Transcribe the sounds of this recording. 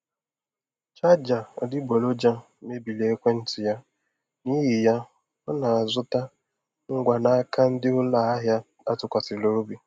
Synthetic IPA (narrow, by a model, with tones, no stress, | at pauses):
t͡ʃa˦d͡ʒa˨ɔ̰˨dɪ˦bo˨lo˦d͡ʒa˦ | me˦bi˨le˨e˦kʷe˦n̩˦tɪ˨ja˦ | ni˦ɦi˨ja˦ | ɔ˦na˨a˨zʊ˦ta˦ | ŋ̩˦ɡʷa˨na˦a˦ka˦n̩˦dɪ˦ʊ˦la˦a˦ɦja˦ | a˦tʊ˦kʷa˨sɪ˨lo˨ɾo˦bi˨